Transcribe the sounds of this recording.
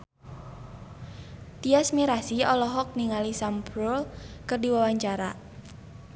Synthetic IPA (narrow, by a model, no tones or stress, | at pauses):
t̪iasmiɾasiɔlɔɦɔk̚niŋalisampɾolkɨrdiwawaɲt͡ʃaɾa̰